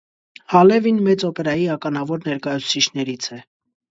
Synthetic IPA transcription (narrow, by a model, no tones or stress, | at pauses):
hɑlɛvinmɛt͡sɔpɛɾɑjiɑkɑnɑvɔɾnɛɾkɑjut͡sʰu̥t͡sʰit͡ʃʰnɛɾit͡sʰɛ